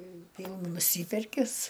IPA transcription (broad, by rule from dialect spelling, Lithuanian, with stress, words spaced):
ˈʋʲiːlˠ nʊˈsʲiːpʲɛrʲkʲɪs